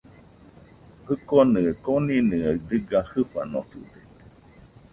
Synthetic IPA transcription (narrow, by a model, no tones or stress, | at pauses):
hɨkonɨkoninɨad̪ɨɡahɨɸa̰nosṵd̪e